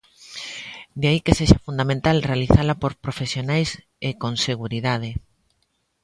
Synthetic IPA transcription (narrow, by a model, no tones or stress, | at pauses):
d̪eaikeseʃafund̪amẽnt̪alrealiθalapoɾpɾofesjonajs | ekonseɣ̞uɾiðað̞e